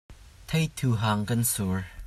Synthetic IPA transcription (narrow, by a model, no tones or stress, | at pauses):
t̪ʰejt̪ʰuɦaːŋkɐnsuɹ